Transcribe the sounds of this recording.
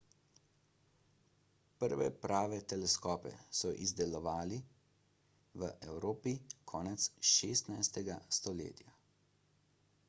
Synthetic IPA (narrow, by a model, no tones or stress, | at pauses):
pəɾʋɛ̰pɾaːʋɛt̪ɛlɛskɔːpɛ̰sɔʔizd̪ɛlɔʋaːli | ʋəʔɛwɾoːpikʰɔːnɛt̪sʃeːst̪najst̪ɛɡast̪ɔlḛːt̪ja